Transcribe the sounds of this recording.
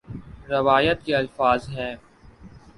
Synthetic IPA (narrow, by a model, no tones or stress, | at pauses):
ɾɐʋaːjət̪̚keɐlfaːzɦɛː